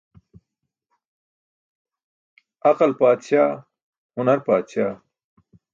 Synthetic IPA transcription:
ɐqɐlpaːt̪ɕaː | hunɐɾpaːd̪ɕaː

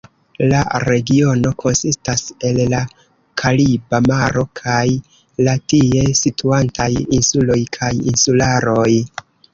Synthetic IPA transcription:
la̰ɾe̞ɡio̞no̞kʰo̞nsistase̞lːa | kʰalibamaɾo̞kʰaj | latie̞sitʰuantajinsulo̞jkʰajḭnsulaɾo̞j

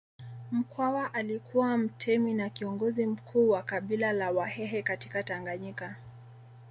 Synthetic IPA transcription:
m̩kʰwawaʔalikʰuwam̩tʰɛminakiɔŋɡɔzim̩kʰuːwakaɓilalawahɛɦɛkati̥kataŋɡaɲika

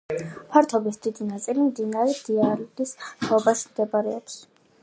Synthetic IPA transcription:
pʰaɾt̪ʰɔbisd̪id̪inat̪sʼilimd̪inaɾɛd̪iaɾlist̪ʰɔbaʃimd̪ɛbaɾɛɔps

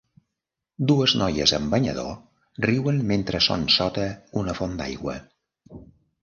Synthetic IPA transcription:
d̪uəznɔjəzəmbəɲə̰ðo̰ | riwənment̪ɾəso̰nsɔt̪əunəfond̪a̰jɣwə̰

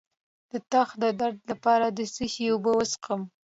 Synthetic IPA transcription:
d̪̥ət̪ɑxd̪əd̪aɾd̪lapɑɾad̪əsəʃiobəwəsqəm

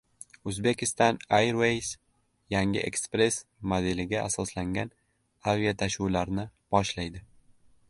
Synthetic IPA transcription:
ɵzbe̞kʲɪst̪ɒnajɾwejs | jaŋʲɪ̰ʔḛkspɾe̞smod̪elɪɡʲaasɒslaŋɡʲan | aviat̪ʰaʃuwlaɾnɪb̥ɒʃlajd̪ɪ

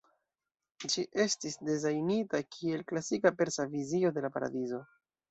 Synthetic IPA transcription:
d͡ʒiʔe̞stisdezajnitakʰie̞lklasikape̞ɾsavizio̞de̞lapaɾa̰dizo̞

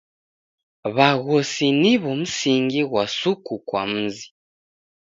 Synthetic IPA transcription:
βaɣosiniβomusiŋɡiɣwasukukwa̰m̩zi

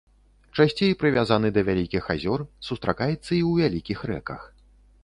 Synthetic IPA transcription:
t͡ʂasʲt͡sʲejpɾɨvʲazanɨd̪ɐvʲalʲikʲixazʲɔrsust̪ɾakajɛt̪sːɐiwvʲalʲikʲixrɛ̰kɐ̰x

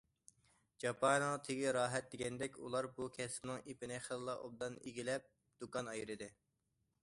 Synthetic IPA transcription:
d͡ʒɑpʰɑnŋt̪ʰeɡʲiɾɑːɦɛt̪̚d̪eɡʲɛnd̪ɛkʲṵlˠɑɾbukʲʰɛsmnɪŋepɪnɪχəlˠlˠɑʔo̰b̚d̪ɑnḭɡʲilɛp̚ | d̪̥ukɑnɑjɾɨd̪ɪ

